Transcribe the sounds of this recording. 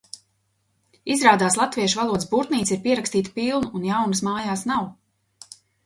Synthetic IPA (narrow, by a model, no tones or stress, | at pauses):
izɾaːd̪aːslˠat̪viɛʃvalˠuɔd̪sbuɾt̪niːt̪siɾpiɛɾakst̪iːt̪piːlˠnuːnjawnɨsmaːjaːsnaw